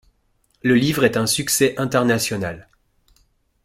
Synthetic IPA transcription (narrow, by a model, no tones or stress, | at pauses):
ləlivʁɛt̪ɛ̃syksɛʔɛ̃t̪ɛʁnasjɔnal